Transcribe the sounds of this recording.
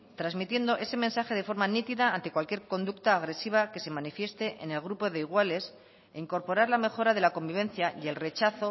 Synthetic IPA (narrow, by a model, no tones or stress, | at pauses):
t̪ɾazmit̪je̞nd̪o̞ʔe̞se̞mensaxe̞ð̞e̞fo̞ɾmanit̪iðaant̪e̞kwalkje̞ɾko̞nd̪ukt̪aːɣ̞ɾe̞siβ̞ake̞se̞manifje̞st̪e̞ʔḛne̞lɣɾupo̞ðe̞iɣwale̞s | eiŋko̞ɾpo̞ɾaɾlame̞xo̞ɾaðe̞lako̞mbiβ̞ẽ̞nθjaje̞lre̞t͡ʃaθo̞